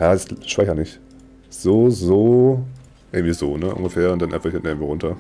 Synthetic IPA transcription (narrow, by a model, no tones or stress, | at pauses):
jaːdɛsʃv̥aɪçɐnɪç | z̥oːzoː | ʔɪɐɡŋ̩tv̥iːzo̰ːnəʔʊ̰nɡəfeːɐʊntd̥anʔa̰ɪfɐhɪntnʔɪɡŋ̩v̥oːʁʊntʰɐ